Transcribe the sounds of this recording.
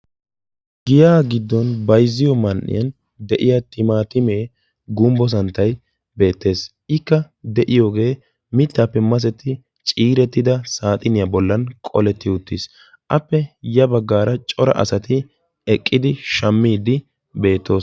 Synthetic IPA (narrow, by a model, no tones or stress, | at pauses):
ɡɪjaːɡɪd̪ːɔnbɐjzːɪjɔmɐnʔːɪ̰jɐn | d̪ɛʔɪjat̪ɪmaːt̪ɪme̞ː | ɡʊmbɔs̬ɐnt̪ːɐj | be̞ːt̪ːe̞ːs | ɪkːɐ | d̪ɛʔɪjo̞ːɡe̞ː | mɪt̪ːaːpːɛmɐs̬ɛt̪ːɪ | t͡ʃʼiːɾɛt̪ːɪd̪ɐsaːt̪ʼɪnɪjɐbɔlːɐnkʼɔ̰lɛt̪ːɪʊt̪ːis | ʔɐpːɛjɐbɐɡːaːɾɐt͡ʃʼɔɾɐ̰ʔɐ̰sɐt̪ɪ | ɛkʼːɪd̪ɪʃɐmːiːd̪ɪ | be̞ːt̪ːo̞ːs